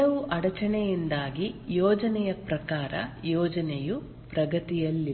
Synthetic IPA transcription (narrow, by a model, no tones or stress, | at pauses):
ɐʋuʔɐɽɐt͡ʃɐɳɛjind̪aːɡijɔːd͡ʒɐnɛjɐpɾɐkaːɾɐ̰jɔːd͡ʒɐneju | pɾɐɡɐt̪ijɐlːi